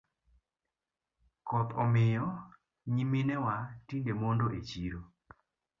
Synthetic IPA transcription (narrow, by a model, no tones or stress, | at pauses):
kɔt̪ɔmɪjɔ | ɲiminɛwatiŋɡemondoʔet͡ʃiɾo